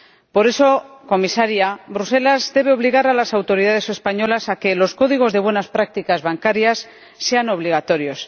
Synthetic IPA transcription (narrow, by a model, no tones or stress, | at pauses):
po̞ɾe̞so̞ko̞misaɾjabɾuse̞lazðe̞β̞e̞o̞βliɣaɾalasawt̪o̞ɾiðað̞e̞se̞spaɲo̞lasake̞lo̞sko̞ðiɣ̞o̞zðe̞βwenaspɾak̚t̪ikazβaŋkaɾjasː | e̞ano̞β̞liɣat̪o̞ɾjo̞s